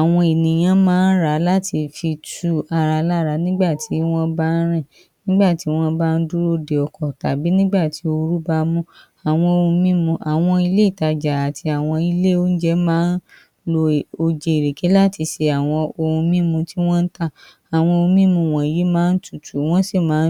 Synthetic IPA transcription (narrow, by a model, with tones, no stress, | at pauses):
a˨w̃ɔ̃˧i˨nĩ˨j̃ã˨˦mãː˦n̩˦ɾa˨˦la˦tʰi˧fi˧tu˦a˨˧ɾa˧la˦˨ɾa˧˦nĩ˦ɡ͡ba˦˨tʰi˨˦w̃ɔ̃˦ba˦n̩˦ɾ̃ɛ̃˦˨ | nĩ˦ɡ͡ba˦˨ti˨˦w̃ɔ̃˦ba˦˧n̩˦du˦ɾo˧de˨ɔ˨kɔ˨ta̰˨bi˨˦nĩ˦ɡ͡ba˦˨ti˨˦o˧ɾu˦ba˧mũ˦ | a˨w̃ɔ̃˧o˧ũ˧mĩ˦mũ˧ʔa˨w̃ɔ̃˧i˧le˦i˦˨ta˧d͡ʒa˨a˨tʰi˧a˨w̃ɔ̃˧i˧le˦o˦n̩˦d͡ʒɛ˦mãː˦n̩˦ | lo˧˨o˧d͡ʒe˧i˨ɾe˨ke˨˦la˦ti˧ʃe˧a˨w̃ɔ̃˧o˧ũ˧mĩ˦mũ˧ti˦w̃ɔ̃˦n̩˦ta˦˨ | a˨w̃ɔ̃˧õ˧˦mĩ˦mũ˧˨w̃ɔ̃˨ji˨˦mãː˦n̩˦tu˦˨tʰu˨˦w̃ɔ̃˦se˦˨mãː˨˦